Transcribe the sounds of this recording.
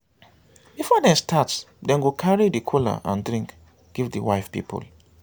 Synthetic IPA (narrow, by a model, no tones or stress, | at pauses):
b̥ifɔdɛ̃stʰats | dɛ̃nɡukʰaɹidikʰula̰ʔã̰ndɹĩŋk | ɡ̥ivdəwaɪfpḭpṵl